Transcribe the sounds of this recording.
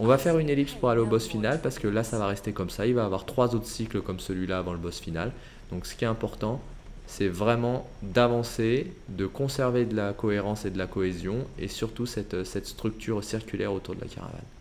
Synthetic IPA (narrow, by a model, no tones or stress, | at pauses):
ɔ̃vafɛʁynelipspuʁaleobɔsfinalpaʁsə̥kəlasavaʁɛst̪ekɔmsailvaːvwaʁt̪χwazot̪χə̥sikləkɔmsəlɥilaːvɑ̃ləbɔsfina̰l | d̪̥ɔ̃ksə̥kʲiɛt̪ɛ̃pɔʁt̪ɑ̃ | sɛvʁɛmɑ̃ | d̪avɑ̃sed̪əkɔ̃sɛʁved̪əlakɔeʁɑ̃sed̪əlakɔezjɔ̃esyʁt̪usɛt̪sɛt̪st̪χyk̚t̪ʰyʁsiʁkʲylɛʁot̪uʁd̪ə̰la̰ka̰ʁa̰va̰n